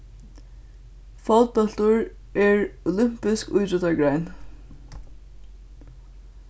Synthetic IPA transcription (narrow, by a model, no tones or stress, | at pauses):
fɔt̪̚pɔl̥t̪ʊɹ | ɛɹʊlʏm̥pɪskujt̪ɾʏt̪aɹɡɹajn